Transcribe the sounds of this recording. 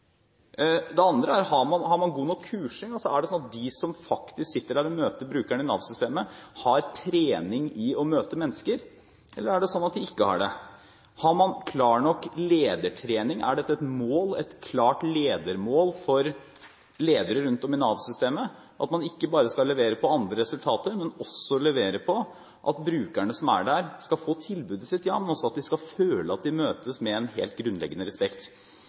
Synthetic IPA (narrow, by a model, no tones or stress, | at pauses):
d̪ɛɑnd̪ɾəæɾhɑɾmɑnhɑɾmɑnɡuːnɔkʰːʉːʂɪŋɔsɔæɖɛsɔnɑt̪̚d̪ɪsɔmfɑkt̪ɪsksɪt̪ːəɖæːɾɔmøːt̪əbɾʉːkæɳɪnɑ̰ʋsʏst̪eːməhɑɾt̪ʰɾeːnɪŋɪɔmøːt̪əmɛnːəskəɾ | ʔɛlːəɾæɖɛsɔnːɑt̪̚d̪ɪɪkːəhɑ̰ɖɛ̰ | hɑɾmɑnkʰlɑːɳɔkːleːd̪əʈʰɾeːnɪŋæ̰ɖɛt̪ːəɛt̪moːlɛ̰t̪kʰlɑːʈleːd̪əɾmoːlfɔɾ | leːd̪əɾəɾʉnt̪ɔmɪnɑːʋsʏst̪eːmə | ʔɑt̪mɑnɪkːəbɑːɾəskɑlːɛʋeːɾəpʰɔɑnd̪ɾəɾɛsʉlt̪ʰɑːt̪əɾmɛnɔsːɔlɛʋeːɾəpʰɔ | ʔɑt̪bɾʉːkæɳəsɔmæ̰ɖæɾskɑfoːt̪ʰɪlbʉːd̪ɪsɪt̪jɑːmɛnɔsːɔɑt̪̚d̪ɪskɑføːləɑt̪̚d̪ɪmøːt̪əsmɛɛnɦḛːlt̪̚ɡɾʉnlɛ̰ɡːənəɾɛspɛkt̪